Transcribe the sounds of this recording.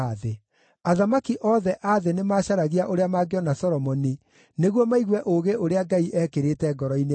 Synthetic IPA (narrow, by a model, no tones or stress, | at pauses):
ðe | aðamakiʔɔːðɛʔaðenemaːɕaɾaɣiaʔoɾeamaɡeɔnasɔɾɔmɔni | neɣwɔmaiɣwɛʔoɣeʔoɾeaɡaiʔɛkeɾetɛɡɔɾɔine